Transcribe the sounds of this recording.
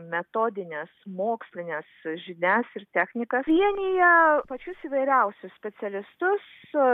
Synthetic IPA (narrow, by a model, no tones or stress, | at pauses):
mʲɛt̪oːd̪ʲɪnʲeːsmoːksʲlʲɪnʲesʒʲɪnʲæsɪrt̪ʲæxʲnʲɪkɐʋʲiɛnʲɪjɛpɐt͡ʃʲʊsiːʋɐɪɾʲɛʊsʲʊssʲpʲɛsʲɛlʲɪst̪ʊs